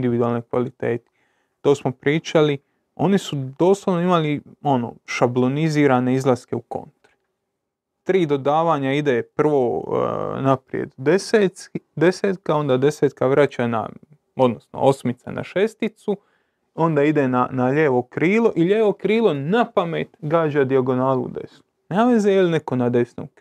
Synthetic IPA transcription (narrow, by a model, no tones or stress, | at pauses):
nd̪iʋid̪uaːlˠnekʋa̰lit̪e̞ːt̪i̥ | t̪o̞ːsmopɾiːt͡ʃali | o̞̰nisud̪o̞ːslˠoʋno̞imalio̞no̞̰ʃablo̞niziːɾaːne̞izlˠaske̞uko̞̰nt̪ɾi | t̪ɾiːd̪o̞d̪aːʋaːɲaid̪epr̩ʋoː | napɾijḛd̪d̪esed̪e̞seːt̪kao̞nd̪aːd̪e̞seːt̪kaʋɾat͡ɕana̰ | od̪no̞sno̰o̞smit̪sa̰na̰ʃe̞st̪it̪su | o̞nd̪aid̪enanaʎeːʋo̞kɾiːlˠo̞ʔiʎeːʋokɾiːlˠo̞napamet̪ɡaːd͡ʑad̪iaɡo̞naːlṵd̪e̞̰snunaːʋezejelneko̞nad̪e̞sno̰k